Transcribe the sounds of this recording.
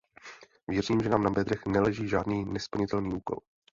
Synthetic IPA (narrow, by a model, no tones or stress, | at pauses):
vjɛriːmʒɛnaːmnabɛd̪ɾɛxnɛlɛʒiːʒaːdniːnɛspl̩ɲɪt̪ɛlniːʔuːko̞̰l